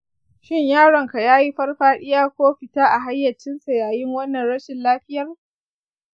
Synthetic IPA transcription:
ʃɪ˦ɲjaː˦ɽɐ˨ŋka˨jaː˦ji˦ɸɐ˦rɸaː˦ɗɪ˦jaː˦kʷoː˦ɸɪ˨taː˦ʔa˨ɦa˦jːɐ˨t͡ʃːɪ˦nsa˨jaː˨jɪ˦ŋwɐ˦nːɐ˨nɽɐ˦ʃɪ˨nlaː˦ɸɪ˦jɐ˦r

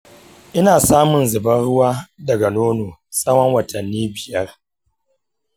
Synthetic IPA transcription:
ʔɪ˦naː˨saː˦mʊ˨nzʊ˨bɐ˦nɽʊ˦waː˦dɐ˨ɡa˨noː˦noː˨sʼɐ˦wɐ˦ŋwɐ˨tʰɐ˨nːiː˦bɪ˨jɐ˦r

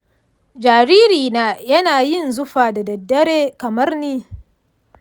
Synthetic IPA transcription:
d͡ʒaː˨ɾiː˦ɾiː˨naː˦jɐ˦naː˨jɪ˦˨nzʊ˦ɸaː˨da˨dɐ˨dːɐ˦ɾeː˦kɐ˨mɐ˦rniː˦

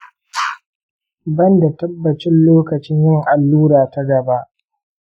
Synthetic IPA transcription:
bɐ˦nda˨tɐ˦bːɐ˨t͡ʃɪ˦nloː˦kɐ˨t͡ʃɪ˦ɲjɪ˦ŋʔa˨lːuː˦ɾaː˨ta˦ɡɐ˨ba˦ʔ

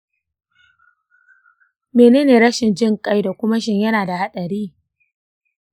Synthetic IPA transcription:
meː˨neː˦neː˨ɾɐ˦ʃɪ˨nd͡ʒɪ˦˨ŋkʼa˦jda˨kʷʊ˦ma˦ʃ̬ɪ˦˨ɲjɐ˦naː˨da˨ha˦ɗɐ˨ɾiː˦

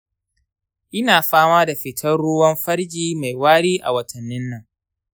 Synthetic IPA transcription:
ʔɪ˦naː˨ɸaː˦maː˦da˨ɸɪ˨tʰɐ˦rɽʊ˦wɐ˦mɸɐ˦ɽd͡ʒiː˦ma˨jwaː˦ɽiː˦ʔa̰˨wɐ˨tʰɐ˨nːɪ˦nːɐ˨ŋ

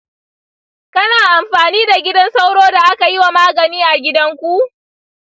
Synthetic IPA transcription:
kɐ˦naː˨ʔa˨mɸaː˨niː˦da˨ɡʲɪ˦dɐ˦nsa˦wɽoː˦da˨ʔa˦ka˨jɪ˦wa˨maː˦ɡɐ˨niː˦ʔa˨ɡʲɪ˦dɐ˦ŋkʷu˦ʔ

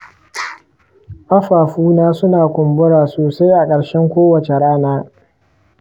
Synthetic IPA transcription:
ʔɐ˦ɸaː˨ɸuː˦naː˦sʊ˦naː˨kʷʊ˨mbʊ˦ɽaː˨soː˨sa˦jʔa˨kʼɐ˨ɽʃɛ˦ŋkʷoː˦wɐ˨t͡ʃe˨ɽaː˦naː˦

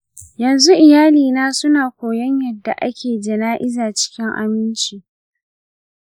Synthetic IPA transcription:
jɐ˨nzu˦ʔɪ˨jaː˦liː˨naː˦sʊ˦naː˨kʷoː˨jɐ˦ɲjɐ˨dːa˨ʔa˦kʲʰeː˨d͡ʒɪ˨naː˦ʔɪ˦zaː˨t͡ʃɪ̥˦kʲɪ˦ŋʔa̰˨mɪ˦nt͡ʃiː˨

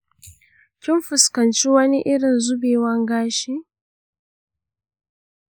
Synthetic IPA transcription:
kʲɪ˦mɸʊ˨skɐ˨nt͡ʃi˦wɐ˦ni˦ʔɪ˦ɽɪ˨nzʊ˦beː˨wɐ˦ŋɡaː˦ʃiː˦

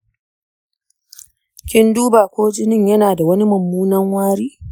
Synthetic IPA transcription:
kʲɪ˦nduː˦baː˨kʷoː˦d͡ʒʼɪ˦nɪ˦ɲjɐ˦naː˨da˨wɐ˦ni˦mɐ˨mːuː˦nɐ˦ŋwaː˦ɽiː˦

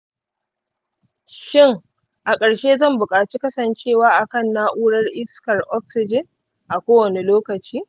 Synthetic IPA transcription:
ʃɪ˦˨ŋ | ʔa˨kʼɐ˨ɽʃeː˦zɐ˦˨mbʊ˨kʼaː˨t͡ʃiː˦kɐ˦sɐ˨nt͡ʃeː˦˨waː˦ʔa˨kɐ˦˨nːaː˦ʔuː˦ɽɐ˦rʔɪ˦skɐ˨rʔɔ˦ksɪ˨d͡ʒɪ˦n | ʔa˨kʷoː˦wɐ˨ne˨loː˦kɐ˨t͡ʃiː˦

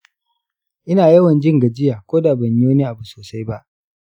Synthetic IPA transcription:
ʔɪ˦naː˨jɐ˦wɐ˨nd͡ʒɪ˦ŋɡa˨d͡ʒɪ˦jaː˨kʷoː˦daː˨bɐ˨ɲjo˦niː˦ʔa˨bu˨soː˨sa˦jba˦ʔ

